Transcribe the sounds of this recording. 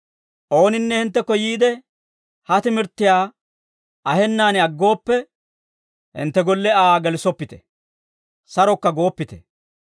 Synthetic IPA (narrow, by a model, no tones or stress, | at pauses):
ʔo̞ːnɪnːɛhɪnt̪ːɛkːɔjiːd̪ɛ | hɐt̪ɪmɪɾt̪ːɪjaː | ɐhɛnːaːnɪɐɡːo̞ːpːɛ | hɪ̰nt̪ːɛɡɔlːɛaːɡɛlɪsɔpːɪt̪ɛ̥̰ | sɐɾɔkːɐɡo̞ːpːɪt̪ɛ̥